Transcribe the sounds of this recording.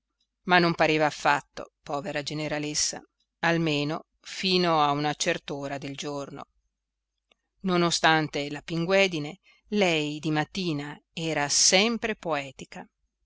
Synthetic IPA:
manːompaɾeːvaːfːa̰t̪ːo̰pɔːveɾad͡ʒeneɾalesːa̰ | almeːno | fiːnoaunat͡ʃert̪oːɾad̪eld͡ʒorno̰ | nonost̪ant̪elapiŋɡwɛːd̪ine | lɛjd̪imat̪ːiːnaɛːɾasɛmpɾepoɛːt̪ika

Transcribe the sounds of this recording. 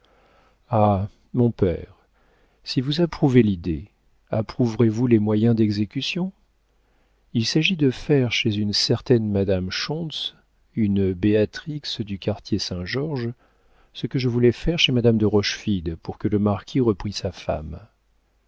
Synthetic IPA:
a | mɔ̃pɛːʁ | sivuzapχuvelid̪e | apχuvʁevulɛmwajɛ̃d̪ɛɡzekʲysjɔ̃ | ilsaʒid̪əfɛʁʃezynsɛʁt̪ɛnmad̪amʃɔ̃s | ynbeat̪χiksd̪ykaʁt̪ʰjesɛ̃ʒɔʁʒ | səkəʒəvulɛfɛʁʃemad̪amd̪əʁɔʃfid̪puʁkələmaʁkʲʰiʁəpχisafa̰m

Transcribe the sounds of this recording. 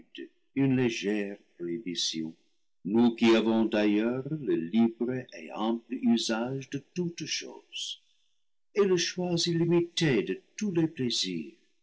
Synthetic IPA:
d̪ | ynleʒɛʁpibisjɔ̃ | nukiavɔ̃d̪ajœʁləlibʁəʔḛɛ̃pləyzaʒdətutʃo̰z̥ | eləʃwazilimitedətulepleziːʁ

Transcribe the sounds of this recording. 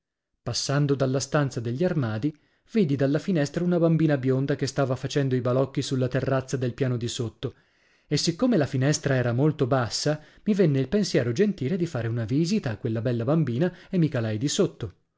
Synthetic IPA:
pasːand̪od̪alːast̪ant̪sad̪eʎːiarmaːd̪i | viːd̪id̪alːafinɛst̪ɾaunabambiːnabjond̪akest̪aːvafat͡ʃɛnd̪oibalɔkːisulːat̪erːat̪sːad̪elpjaːnod̪isot̪ːo | esːikːomelafinɛst̪ɾaɛːɾamolt̪obasːa | mivenːeilpensjɛːɾod͡ʒent̪iːled̪ifaːɾeunaviːzit̪aːkːwelːabɛlːabambiːnaemːikalajd̪isot̪ːo

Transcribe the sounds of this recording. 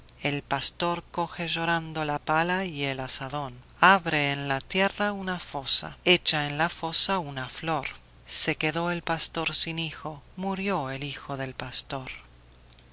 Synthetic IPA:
e̞lpast̪o̞ɾko̞xeʒo̞ɾand̪olapalaielasaðo̞n | aβɾeːnlat̪jeraunafo̞sa̰et͡ʃaenlafo̞saunaflo̞ɾ | se̞keðoelpast̪o̞ɾsinixo̞muɾjo̞elixo̞ðe̞lpast̪o̞ɾ

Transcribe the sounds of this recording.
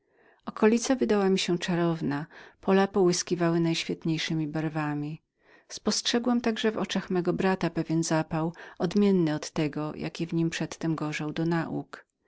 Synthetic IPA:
ɔkɔlʲit̪savɘd̪awamʲiɕɛt͡ʂaɾɔvnapɔlapɔwɘskʲivawɘnajɕfʲjɛt̪ɲejʂɘmʲibaɾvamʲi | spɔstʂɛɡwamt̪aɡʐɛvɔ̰t͡ʂaxmɛɡɔbɾat̪apɛvʲjɛnzapawɔd̪mʲjɛnːɘɔt̪ːɛɡɔjʔa̰kʲɛvɲimpʂɛt̪ːɛmɡɔʐawd̪ɔnaʔṵk

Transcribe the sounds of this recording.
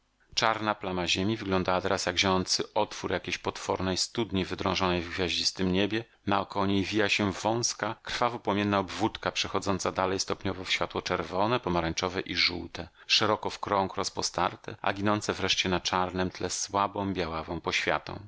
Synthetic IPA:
t͡ʂaɾnaplamaʑemʲivɘɡlɔ̃nd̪awat̪ɛɾasjaɡʑɔjɔnt̪sɘʔɔt̪fuɾjakʲeɕpɔt̪fɔɾnɛjst̪ud̪ɲivɘd̪ɾɔ̰̃w̃ʐɔnɛjvɡvʲjaʑd͡ʑist̪ɘmɲebʲjɛ | nawkɔɔɲejvʲijaɕɛvɔ̃w̃skakr̥favupɔmjɛnːaɔbvut̪kapʂɛxɔd̪zɔnt̪sad̪alɛjst̪ɔpɲɔvɔfɕfʲat̪wɔt͡ʂɛɾvɔnɛpɔmaɾaɲʲt͡ʂɔvɛʔiʐuwt̪ɛ | ʂɛɾɔkɔfkɾɔ̃ŋkɾɔspɔst̪aɾt̪ɛʔa̰ɡʲinɔnt̪sɛvɾɛʂt͡ɕɛnat͡ʂaɾnɛmt̪lɛswabɔ̃w̃bʲjawavɔ̃w̃pɔɕfʲja̰t̪ɔ̰̃w̃

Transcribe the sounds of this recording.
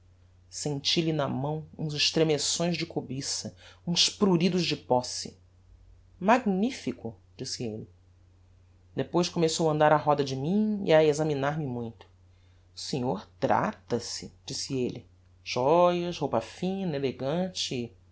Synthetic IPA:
sẽnt͡ʃilɪnɐmɐ̃w̃ṵ̃zɪʃt̪ɾemesõj̃zd͡ʒɪkobisɐũspɾuɾid̪ʊʒd͡ʒɪpɔsɪ̰ | maɡnifikʊ | d͡ʒisɪelɪ | d̪epojʃkomesowɐ̃nd̪aɾɐɦɔd̪ɐd͡ʒɪmĩḭɐezɐminaɾmɪmũj̃t̪ʊ̥ | sẽɲoɾt̪ɾa̰t̪ɐsɪd͡ʒisɪelɪ | ʒ̥ɔjɐʃhowpɐfĩnɐeleɡɐ̃t͡ʃɪ

